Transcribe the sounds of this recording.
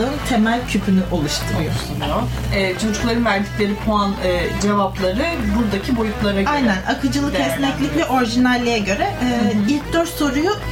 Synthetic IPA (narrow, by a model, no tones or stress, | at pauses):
ɯːnt̪ʰe̞mælʲcʰypʰynyʔo̞lˠuʃt̪ʰɯj̪ | ɛːt͡ʃʰo̞d͡ʒuklˠaɾɯnvæɾd̪icʲlʲe̞ɾipʰoanɯːd͡ʒe̞vaplˠaɾɯbuɾd̪acʰibo̞jut̪lˠaɾaajnænʔakʰɯd͡ʒɯlˠɯkɛsnʲɛclʲiclʲɛʔo̞ɾʒinalʲːejɛɟø̞ɾɛːilʲcd̪øɾt̪so̞ɾuju